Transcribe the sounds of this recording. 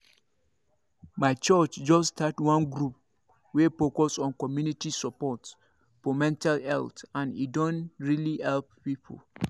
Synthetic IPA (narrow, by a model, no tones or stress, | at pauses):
maɪt͡ʃɜt͡ʃd͡ʒɔstʰatwɔ̃nɡɾup̚ | wefokɔsɔ̃nkɔmjunitisɔpɔt | fɔmɛ̃ntalɛ̰ltãnḭdõnɹilihɛlp̚pipʰo̰l